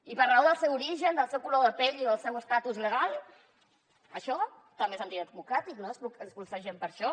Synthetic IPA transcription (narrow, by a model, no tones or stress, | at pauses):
ipəɾlawðəlˠsɛwuɾiʒənd̪əlˠsɛwkuloðəpɛʎiðəlˠsɛwəskat̪uzləɣal | əʃɔ | t̪amezənt̪it̪əd̪̚mukɾat̪iknospuəspulˠsaʒempəɾʃɔ